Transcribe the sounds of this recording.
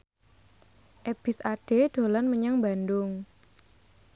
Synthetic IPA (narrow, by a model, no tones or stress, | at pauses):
ʔeb̥ɪsaɖ̥e̤ɖ̪̥o̤lɔnməɲaŋbandʊŋ